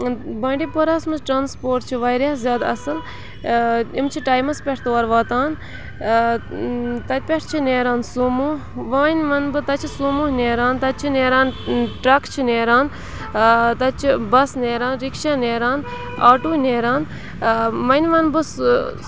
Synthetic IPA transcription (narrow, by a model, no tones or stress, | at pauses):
bɐːɳɖipuɾɐsmɨzʈɾaːnspoːɾʈt͡ʃʰiʋɐjɾaːzʲjaːd̪ɐsɨl | imt͡ʃʰiʈaːjmɐspʲeʈʰt̪oːɐɾʋaːt̪aːn | t̪ɐt̪̚ʲpʲeʈʰt͡ʃʰineːɾaːnsumu | ʋaːnʲʋɐnbɨt̪ɐt͡ʃʰisumuɦnʲeːɾaːnt̪ɐt̪̚t͡ʃʰineːɾaːnʈɾɐkʰt͡ʃʰineːɾaːn | t̪ɐt͡ʃʰibɐsneːɾaːnɾikʃaːneːɾaːn | aːʈuːneːɾaːn | ʋɐnʲʋɐnbɨs